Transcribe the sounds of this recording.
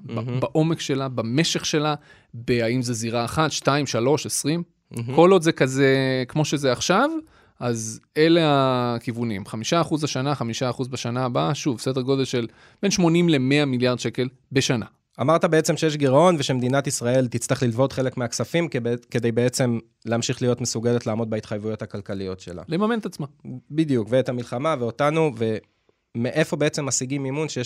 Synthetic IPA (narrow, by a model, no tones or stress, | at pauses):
babaʔo̞me̞kʃe̞labame̞ʃe̞χʃe̞la | beaimze̞ziʁaːχat̪ʃtaimʃalo̞ʃesʁim | ko̞lo̞dzekazekmo̞ʃezeaχʃav | ʔaze̞leakivunimχamiʃaːχuzbaʃanaχamiʃaːχuzbeʃanaːbaʃuvsedeʁɡo̞d̪e̞lʃe̞l | b̥e̞nʃmo̞nimle̞me̞amiljaʁd̪ʃeke̞l | be̞ʃana̰ | amaʁt̪abe̞et͡se̞mʃejeʃ̬ɡiʁao̞nveʃemed̪inat̪isʁae̞lt̪it͡slaχlilvo̞d̪χe̞le̞kmeaksafimkked̪ejbeet͡se̞m | leamʃiχlijo̞t̪mesuɡe̞let̪laːmod̚bait̪χajvujo̞t̪hakalkalijo̞tʃe̞̰la̰lemame̞net̪at͡smabid̪jukveet̪hamilχamaveotanuve̞ | meʔefo̞beet͡se̞mːasiɡimimunʃeje